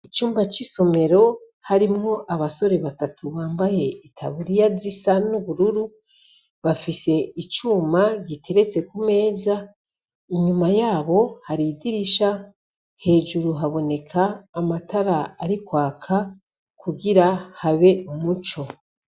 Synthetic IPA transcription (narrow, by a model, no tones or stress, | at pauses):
it͡ʃuːmbat͡ʃiso̞me̞ɾo̞ | haɾimŋo̞ʔaβaso̞ɾe̞βatatuβaːmbaje̞itʰa̰βuɾijazisanuβuɾuɾu | βafise̞it͡ʃuːmaɡitʰe̞ɾet͡se̞kume̞ːza | iɲumajaːβo̞haɾidiɾiʃa | he̞ːʒuɾuɦaβo̞ne̞kʰaːmataɾaaɾikwaːkʰa | kuɡiɾahaβe̞umut͡ʃo̞